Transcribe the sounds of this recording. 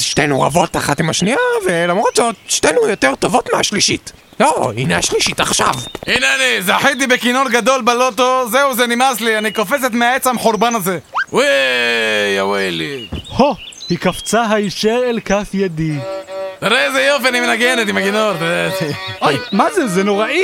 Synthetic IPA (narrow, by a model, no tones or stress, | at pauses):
ʃtenuʁa̰vo̞t̪aχat̪imaʃniavelamʁototʃtenujot̪eʁt̪o̞vot̪meaʃliʃit̪ | loḭneaʃliʃit̪aχʃa̰vineanizeaħit̪ibekinoɾɡad̪o̞lbalo̞t̪o̞zeuzenimaslianikofet͡se̞t̪meaet͡samħuɾbanaze̞wi | jawilihohikaft͡saɦaiʃeʁelkafjed̪it̪aɾeezejofianimenaɡenet̪imakinont̪aezeojmazezenoʁaʔi